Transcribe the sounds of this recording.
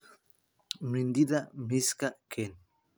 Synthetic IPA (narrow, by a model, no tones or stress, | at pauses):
mɾind̪iðamiskakʰen